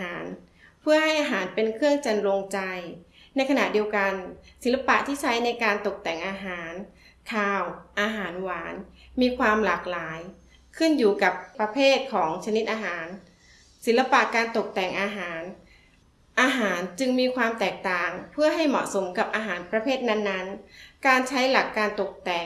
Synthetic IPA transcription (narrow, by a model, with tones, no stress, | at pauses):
ɦaː˩˦n | pʰɯ˥˩əɦa˥˩jʔaː˧ɦaː˩˦npe˧nkʰɯ˥˩əŋt͡ɕa˧nɾo˧ŋt͡ɕa˧j | na˧jkʰa˧na˨˩ʔdi˧əwka˧nsi˨˩˦la˧pa̰˨˩ʔt̪ʰiː˥˩t͡ɕʰa˦˥jna˧jkaː˧nt̪o˨˩k̚t̪ɛ˨˩ŋʔaː˧ɦaː˩˦n | k̪ʰaː˧wʔaː˧ɦaː˩˦nwaː˩˦nmiː˧kʰwaː˧mlaː˨˩k̚laː˩˦j | kʰɯ˥˩njuː˨˩ka˨˩p̚pːɾa˧pʰeː˥˩t̪̚kʰɔː˩˦ŋt͡ɕʰa˧ni˦˥t̪̚ʔaː˧ɦaː˩˦n | si˨˩˦nla˧pa˨˩ʔkaː˧nt̪o˨˩k̚t̪ɛ˨˩ŋʔaː˧ɦaː˩˦n | ʔaː˧ɦaː˩˦nt͡ɕɯ˧ŋmiː˧kʰwaː˧mt̪ɛː˨˩k̚t̪aː˨˩ŋpʰɯ˥˩ɐɦa˥˩jmɔ̰˨˩ʔso˩˦mka˨˩p̚ʔaː˧ɦaː˩˦npɾa˧pʰeː˥˩t̪̚na˦˥nːa˦˥nkaː˧nt͡ɕʰa˦˥jla˨˩kːaː˧nt̪o˨˩k̚t̪ɛː˨˩